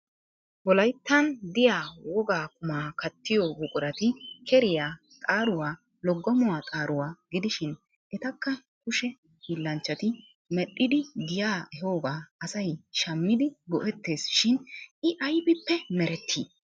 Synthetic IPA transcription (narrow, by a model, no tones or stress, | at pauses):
bɔlɐjt̪ːɐnd̪ɪjaːwɔɡaːkʊmaːkɐt̪ːɪjɔbʊkʼʊɾɐt̪ɪkʰɛɾɪjaː | t̪ʼaːɾʊwaː | lɔɡːɔmʊwaːt̪ʼaːɾʊwaːɡɪd̪ɪʃɪn | ʔɛt̪ɐkːɐ | kʊʃɛ | hilːɐnt͡ʃːɐt̪ɪ | mɛɗːɪd̪ɪɡɪjaːɛhoːɡaːɐsɐjʃɐmːɪd̪ɪɡɔʔɛt̪ːe̞ːsʃɪnɪʔɐjbɪpːɛmɛɾɛt̪ʰːḭː